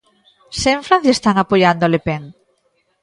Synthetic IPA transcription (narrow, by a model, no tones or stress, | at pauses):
seɱfɾã̟θjest̪aŋapojand̪olepeŋ